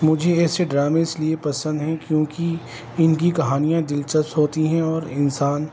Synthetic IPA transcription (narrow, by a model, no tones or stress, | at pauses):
mʊd͡ʒʱeɪːseɖɾaːmeɪsliepɐsə̃nd̪ɦɛ̃kjõːki | ɪnkikɐɦaːnijãd̪ɪlt͡ʃəst̪ɦoːt̪iɦɛ̃ɔːɾɪnsaːn